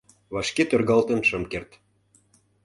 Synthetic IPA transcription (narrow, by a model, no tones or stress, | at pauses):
βɑʃket̪ørɣɑlt̪ə̆nʃɤ̆mkert̪